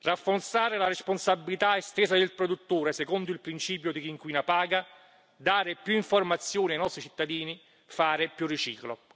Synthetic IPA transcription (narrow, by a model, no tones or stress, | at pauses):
rafːort̪saːɾelaresponsabːilit̪aest̪ɛːzad̪ɪlpɾod̪ut̪ːuːɾesɛkɔnd̪ʊilpɾint͡ʃiːpjod̪ikiŋkwiːnapaːɡa | d̪aːɾɪpjuiɱformat̪sːjoːniajnɔst̪ɾit͡ʃi̥t̪ːad̪iːni | faːɾɪpjurːit͡ʃiːklo̰